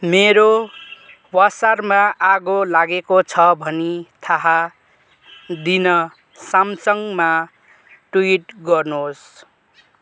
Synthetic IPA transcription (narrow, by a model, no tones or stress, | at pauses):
meɾo | wasarmaʔaɡolaɡekot͡sʰʌbʱʌnit̪ʰaɦa | d̪inʌ | samsʌŋma | ʈuiʈɡʌrnos